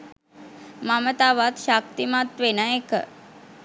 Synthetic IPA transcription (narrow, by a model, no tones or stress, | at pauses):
mamət̪aʋat̪ʃak̚t̪imat̪ʋenəekə̰